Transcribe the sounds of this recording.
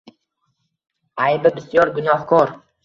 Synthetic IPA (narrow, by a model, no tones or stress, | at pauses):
ajbɪbɪsjɒɾɡʊnɒhkʰɒɾ